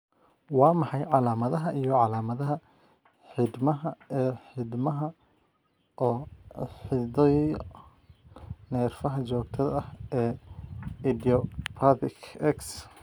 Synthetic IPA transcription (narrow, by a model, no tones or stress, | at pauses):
wɑːmɑħɑjʕɑlaːmɐðɐɦɐʔijɔʕɑlaːmɐðɐɦɐ | ħɪd̪mɐɦɐɛːħɪd̪mɐɦɐ | ʔɔːħɪdɛj | nɛːrfɐɦɐt͡ʃɔːɡt̪ʰɐðɐhʔɛː | ɪd̪iɔpʰaðɪkʰɛks